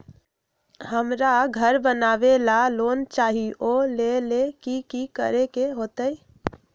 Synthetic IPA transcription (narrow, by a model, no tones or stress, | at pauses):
həmɾaɡʱəɾbənabelalont͡ʃaɦiʔolelekikikə̰ɾekeɦot̪əj